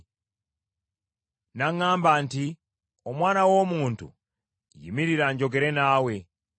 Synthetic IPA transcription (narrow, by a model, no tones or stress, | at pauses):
naŋaːmbanti | omwaːnawo̞muːntṵ | jḭmiɾiɾaɲɟo̞ɡe̞ɾe̞naːwe̞